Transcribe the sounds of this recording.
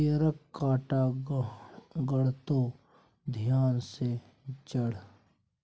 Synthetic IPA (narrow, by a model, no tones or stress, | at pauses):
eɾəkːaːʈa | ɡəɽ̤t̪o | d̪ʱjaːnse | t͡ʃəɽ̤